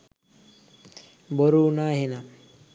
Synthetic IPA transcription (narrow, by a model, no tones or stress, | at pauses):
bɔɾunaɦena